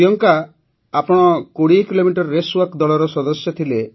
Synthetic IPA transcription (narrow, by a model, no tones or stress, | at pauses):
jɔŋka | apɔɽ̃ɔkoɽikilomiʈɔɾːeswakd̪ɔlɔɾɔsɔd̪ɔsjɔt̪ʰile